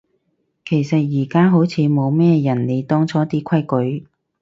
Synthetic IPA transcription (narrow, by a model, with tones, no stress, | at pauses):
kʰe˨˩jsɐ˨t̚jiː˨˩kaː˥ɦo˨˥wt͡sʰiː˨˧mo˨˧wmɛː˥˧jɐ˨˩nne˨˧jt̪ɔː˥ŋt͡sʰɔː˨˥t̪iː˥kʷʰɐ˥jkɵ˨˥ɥ